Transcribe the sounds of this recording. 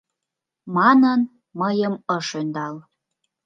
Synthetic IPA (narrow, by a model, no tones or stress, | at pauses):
mɑnən | məjəməʃønd̪ɑl